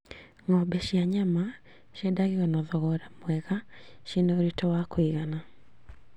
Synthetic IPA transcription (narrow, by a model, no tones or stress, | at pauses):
ŋɔbɛʃjaɲama | ʃjɛdaɣiɔnɔðɔɣɔɾamwɛɣaʃenooɾitɔwakoiɣana